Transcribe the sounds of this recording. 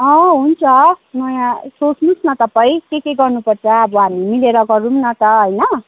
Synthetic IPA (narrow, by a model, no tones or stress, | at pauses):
ʌ̃ɦunt͡sʰʌnʌjãsot͡snusnʌt̪ʌpaĩkekeɡʌrnupʌrt͡sʰʌːbʌɦamimileɾʌɡʌɾumnʌt̪ʌɦʌjnʌ